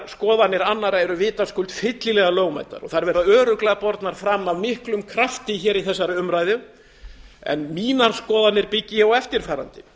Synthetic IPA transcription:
skɔːðanːɪɾanːaɾaɛɾʏvɪːt̪askʏlt̪fɪt̪lɪlɛɣaloːwɣma̰jt̪a̰ɾɔ̰θaɾvɛːɾðaœːɾʏklɛɣapɔɾt̪naɾ̥fɾamːavmɪhklʏmkʰɾaft̪ɪçɛːɾiθɛsːaɾʏmɾaːjðʏ | ɛ̰nmiːnaɾ̥skɔːðanːɪɾpɪcːɪawɛft̪ɪɾ̥faːɾa̰nt̪ɪ

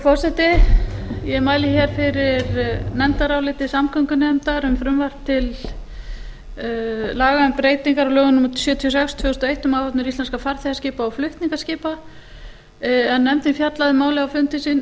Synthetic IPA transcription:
fɔr̥sɛt̪ɪ | jɛmaːjlɪçɛɾ̥fɪɾɪɾnɛmt̪aɾawlɪːt̪ɪsamkʰœŋkʏnɛmt̪aɾʏmfɾʏmvar̥t̪ʰɪl | laːɣaɛmpɾeːjt̪iŋkaɾawlœːɣʏnʏmut̪ʏ̥sʏːt̪ʰiɔsɛkst̪ʰvœːɣʏst̪ɔejht̪ʏmawhɔt̪nʏɾist̪lɛnskafaɾ̥θɛascɪːpaɔwflʏht̪niŋkascɪːpa | ɛnːɛmt̪ɪnfjat̪laðɪmaːwlɪawfʏmt̪ɪsɪn

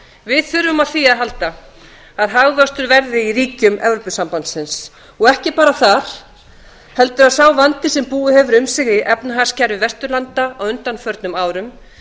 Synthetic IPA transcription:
vɪðθʏɾvʏmaðθiːaðɦalt̪a | aðɦaɣvœst̪ʏɾvɛɾðɪiɾiːcʏmʔɛ̰vɾɔpʏsampant̪sɪns | ɔɣɛhcɪpaːɾaθaɾ̥ | hɛl̪t̪ʏɾaðsaːwvant̪ɪsɛmpuːðʏhɛvʏɾʏmsɪɣðɪʔɛpnaɦaɾ̥scaɾvɪvɛst̪ʏɾlant̪aɔɣʏnt̪anfœɾt̪nʏmaːwɾʏm

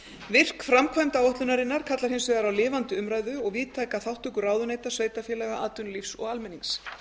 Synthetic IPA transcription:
vɪr̥kfɾamkʰvajmt̪awɔht̪lʏnaɾɪnːaɾ̥kʰat̪laɾ̥hensvɛðaɾawlɪːvant̪ʏʏmɾaːjðʏɔɣviːt̪ʰajkaθawht̪ʏkʏraːwðʏneːjt̪ḁsveːjt̪afjɛːlɛɣaʔaːt̪ʏnlifsɔ̰ɣalmɛnːiŋs

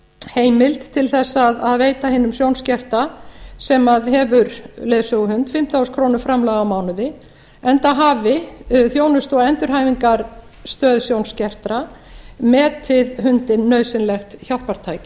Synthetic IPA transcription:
heːjmɪlt̪tʰːɪlθɛsːaðaðveːjt̪ahɪːnːʏmsjownscɛr̥t̪asɛmaðɦɛvʏɾleːðsʏɦʏnt̪fɪm̥t̪ʰawskʰɾownʏɾfɾamlaːɣawmaːwnʏðɪ | ɛnt̪aɦaːvɪθjoːwnʏst̪ɔɛnt̪ʏɾ̥haːjviŋkaɾ̥st̪œːðsjownscɛr̥t̪ɾamɛːt̪ʰːɪðhʏnt̪ɪnːœɥsɪnlɛxt̪çawl̥paɾ̥t̪ʰaːjcɪ

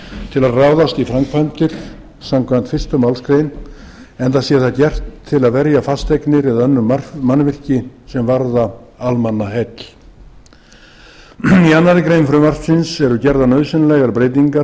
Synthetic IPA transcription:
t̪ʰɪlaðraːwðast̪ifɾaŋkpʰan̥t̪ɪɾ̥ | samkʰvant̪fɪr̥st̪ʏmawlskɾeːjn | ɛnt̪asiaθacɛr̥t̪ʰːɪlaðvɛɾjafast̪ejknɪɾɪðœnːʏmarmanːvɪr̥cɪsɛmvaɾðaalmanːahɛt̪ | ianːaɾɪkɾejnfɾʏmar̥fsɪnsɛɾʏcɛɾðanœːðsɪnlɛɣaɾpɾeːjt̪̬iŋka

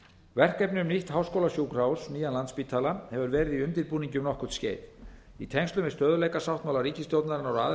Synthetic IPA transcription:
vɛr̥kɛjpnʏmniht̪hawskowlasjuwkr̥awsniːjanlant̪spiːt̪ʰaːlahɛvʏɾvɛːɾɪðiʏnt̪ɪɾpuːniɲcʏmnɔhkʏ̥t̪sceːjt | it̪ʰɛŋst̪lʏmɛ̥st̪œːðʏlejkasawht̪mawlaɾiːcɪst̪jowt̪naɾɪnɔɾa

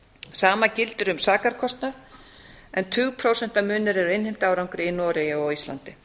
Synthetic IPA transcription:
saːmacɪlt̪ʏɾʏmsaːkaɾkʰɔst̪nað | ɛnt̪ʰʏːɣpʰɾoːwsɛn̥t̪amʏːnɪɾɛɾʏɪnhɪjm̥t̪aːwɾawŋkɾɪinɔːɾɛjaɔist̪a̰nt̪ɪ

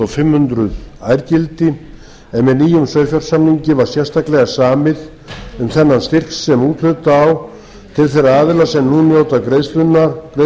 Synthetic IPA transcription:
ɔfɪmhʏnt̪ɾʏðaːjɾcɪlt̪ɪ | ɛnmɛðniːjʏmsœːɥfjaɾ̥samniɲcɪvaɾ̥sjɛr̥st̪aklɛɣasaːmɪð | ʏmθɛnːanst̪ɪr̥ksːɛmuːt̪lʏt̪aːw | t̪ʰɪlθɛjraaːðɪlasɛmnuːnjowt̪akɾejslʏnːaɾkɾe

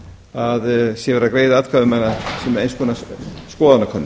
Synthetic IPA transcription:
aðsjɛvɛːɾakɾejðɪaːt̪kʰaːðɪmɛnːasɛmɾejnskʰɔnaskɔːðanakʰœnːɪ

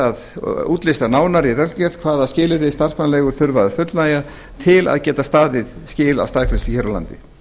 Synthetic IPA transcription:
aðuːt̪lɪst̪anaːwnaɾiɾɛlcɛɾ̥t̪kʰv̥aːðascɪːlɪɾðɪst̪ar̥spanalɛːɣʏɾ̥θʏɾvaðʏfʏt̪lnaːja | t̪ʰɪla̰ðcɛːt̪ast̪aːðɪðscɪːla̰wst̪aːðkʰlɛst̪ʏçœɾala̰nt̪ɪ

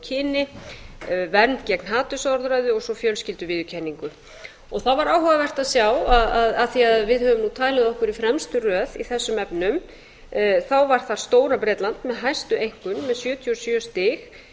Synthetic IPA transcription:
cʰɪːnɪ | vɛɾnt̪cɛknɦaːt̪ʏsɔɾðɾajðʏɔɣsɔfjœlscɪlt̪ʏvɪːðʏcʰɛnːiŋkʏ | ɔɣθawvaɾaːwhœɣavɛr̥t̪aðsjawaðaðaθiaðvɪðhœvʏmnut̪ʰaːjlɪðɔhkʏɾifɾɛmst̪ʏrœːðiθɛsːʏmɛpnʏm | θawvaɾ̥θaɾ̥st̪oːwɾapɾɛːt̪lant̪mɛðɦajst̪ʏejŋ̥kʏnmɛðsjœːt̪ʰjɔsjœːst̪ɪx

